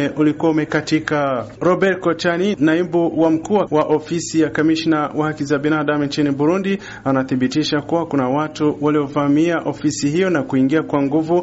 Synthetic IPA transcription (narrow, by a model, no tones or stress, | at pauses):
ʔulikuaumɛkatikaɾɔbɛɾkɔt͡ʃaninaibuwam̩kuːwawaʔɔfisijakamiʃnawahakizabinaɗamint͡ʃinibuɾundi | anaθiɓitiʃakuwakunawatuwaliɔvamiaʔɔfisihijɔnakuiŋɡiakwaŋɡuvu